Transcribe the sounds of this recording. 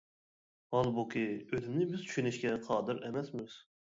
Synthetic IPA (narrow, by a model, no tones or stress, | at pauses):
hɑlˠbukʲʰiøzɪmnɪbɪz̥t͡ʃ̪ʰy̥ʃynɪʃkʲɛqʰɑːd̪ɨɾʔɛmɛsmɪz̥